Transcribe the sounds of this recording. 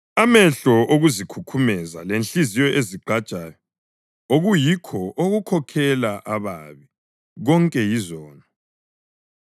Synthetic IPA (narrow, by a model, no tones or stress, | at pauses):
amɛɬɔʔoɣuzikʰukʰumɛza̰lenɬizijɔʔeziɡ͡ǃʱḁt͡ʃʼaːjɔ | oɣujikʰɔʔoɣukʰɔkʰɛlaʔaβaβi | ɣɔŋkʼɛjizɔːnɔ